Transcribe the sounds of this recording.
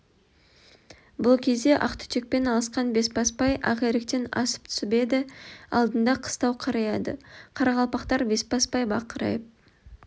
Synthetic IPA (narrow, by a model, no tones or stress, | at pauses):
bʊlˠkʲʰe̞zd̪e̞ʔɑqt̪ʏ̥t̪ek̚pe̞nɑlˠəsqɑnbe̞spʰɑspɑjɑ̰ʁeɾek̚t̪enɑ̰sə̥p̚t̪ʰʏ̥sɪbe̞d̪ɪɑ̰lˠd̪ənd̪ɑqʰə̥st̪ɑwqʰɑɾɑjɑd̪ə̰qʰɑɾɑʁɑlˠpɑqt̪ɑɾbe̞spɑspɑjbɑqəɾɑ̰jəp̚